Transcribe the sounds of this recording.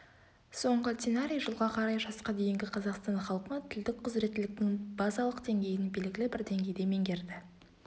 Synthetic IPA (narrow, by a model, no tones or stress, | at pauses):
so̞ɴʁət̪ʲenaɾʲijʒəlˠʁɑqʰɑɾɑjʒɑsqɑd̪e̞jɪŋɡʲɪqʰɑzɑqst̪ɑnχɑlˠqənɑt̪ʰɪld̪ɪk̚qʰʊzɾe̞t̪ːɪlɪk̚t̪ɪŋb̥ɑzɑlˠəqd̪e̞ŋɡʲe̞jɪnbe̞lɡʲɪlɪbɪɾd̪e̞ŋɡʲe̞jd̪e̞me̞ŋɡʲe̞ɾd̪ɪ